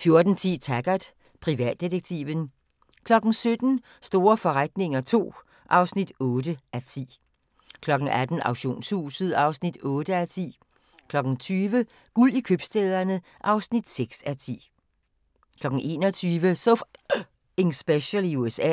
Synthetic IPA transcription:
fjo̝ɐd̥n̩t͡sʰḭːt͡sʰæɡ̥ɐd̥ | pʰʁiʋɛ̰ːd̥ːiʁeɡ̥̚t͡sʰḭʋən | kʰlɒ̽ɡ̥n̩sød̥n̩ | sd̥o̝ːɐfɒ̽ʁad̥ne̝ŋɐt͡sʰo̝̰ː | ʔɑ̈ʊsnid̥ɔːd̥əʔæt͡sʰḭː | kʰlɒ̽ɡ̥ŋ̩æd̥n̩ɑ̈ʊɕo̝̰ːnshuːsð̩ˠɑ̈ʊsnid̥ɔːd̥əæt͡sʰḭː | kʰlɒ̽ɡ̥n̩t͡sʰyːʋə | ɡ̥ulikʰøb̥sd̥eːð̞ˠɐnə | ʔɑ̈ʊsnid̥seɡ̥sæt͡sʰḭː | kʰlɒ̽ɡ̥ŋ̩ʔe̝̰ːnɒt͡sʰyːʋəsof | eŋsb̥eɕəluesɛ̰

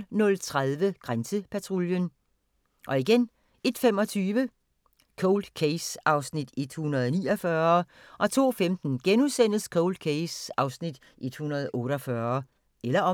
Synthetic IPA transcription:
nɔ̽lt͡sʰʁaðˠʋəɡ̥ʁansəpʰæt͡sʰʁoljən | ʔɒ̽iɡ̥en | e̝d̥femɒ̽t͡sʰyːʋə | kʰɔʊld̥kʰeɪsɑ̈ʊsnid̥e̝d̥hunɐð̩ˠniːɒfɶɐ | ʔɒ̽t͡sʰo̝̰ːfemd̥n̩ɡ̥enusen̰skʰɔʊld̥̚kʰeɪsɑ̈ʊsnid̥ | ʔe̝d̥hunɐðˠɔ̽ːɾɒfɶɐ | elɐɒ̽

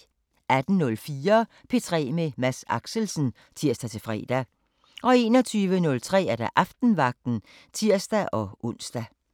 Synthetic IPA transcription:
æd̥n̩nɔ̽lfiːɐ | pʰe̝t͡sʰʁɛ̰ːmemæsɑ̈ɡ̥səl̩sn̩ | t͡sʰiɐ̰sd̥æt͡sʰe̝fʁɛ̰ːd̥æ | ʔɒ̽e̝ːnɒt͡sʰyːʋənɔ̽lt͡sʰʁɛ̰ːæɐɾ̥ɑ̈ʔɑfd̥n̩ʋɑ̈ɡ̥̚d̥n̩ | t͡sʰiɐ̰sd̥æʔɒ̽ʔɔn̰sd̥æ

